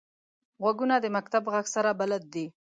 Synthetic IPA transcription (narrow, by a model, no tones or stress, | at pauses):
ɣwaɡunad̪əmak̚t̪abɣaɡsaɾabalad̪̚ːi